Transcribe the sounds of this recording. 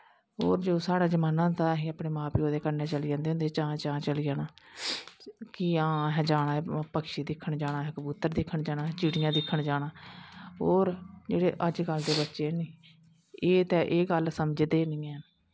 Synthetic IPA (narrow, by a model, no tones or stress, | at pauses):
ɦoːɾd͡ʒoːsaːɽaːd͡ʒəmaːnãːd̪aːɦiːaːpɽeːmãːpiːoːd̪eːkənɛːt͡ʃəlid͡ʒãːnd̪eːɦʊ̃nd̪eːt͡ʃãːt͡ʃãːt͡ʃəlijaːnaː | kɪãːɦɛːd͡ʒaːɽ̃aːpəkʃiːd̪ɪkʰːəɳd͡ʒaːɽãːɦɛkəbuːt̪ːəɾd̪ɪkʰːəɳd͡ʒaːɽãːt͡ʃiːɽijãːd̪ɪkʰːəɳd͡ʒaːɽaːɦoːɾd͡ʒeːɽeːʔəd͡ʒɡəld̪eːbətːʃeːnĩː | eːt̪ɛːʔeːɡəlsəmd͡ʒd̪eːnɪ̃ːə